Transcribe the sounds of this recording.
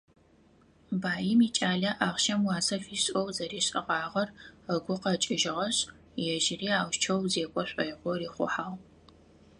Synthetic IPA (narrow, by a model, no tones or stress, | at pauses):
baːjɪmiːt͡ʃʼaːɮɐʔaːʁʃɐmwɑːsɐfiːɕʼɐwzɐɾiːɕʼɪ̰ʁɑːʁɐrəɡʷʊqɐt͡ʃʼɪʒɪʁɐɕʼ | jɛʒɪriːaːwt͡ʃʰɐwzeːkʷʼɔɕʷʼɐjʁʷɔriːχʷʊ̰ħaːw